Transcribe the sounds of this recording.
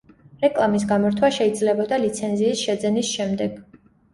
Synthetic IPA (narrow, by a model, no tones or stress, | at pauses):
ɾɛkʼlˠamis̬ɡamɔɾt̪ʰwaʃɛid̪zlɛbɔd̪alit̪sʰɛnziːsʃɛd̪zɛnisʃɛmd̪ɛɡ̥